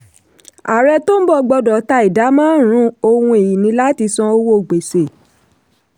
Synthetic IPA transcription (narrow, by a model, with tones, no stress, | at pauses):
a˨ɾɛ˧to˦n̩˦bɔ˦˨ɡ͡bɔ˧dɔ˨˦ta˧i˨da˨˦mãː˦ɾ̃ũ˦o˧wũ˧e˨ji˨nĩ˧˦la˦ti˧sɔ̃˧o˧wo˦˨ɡ͡be˨se˨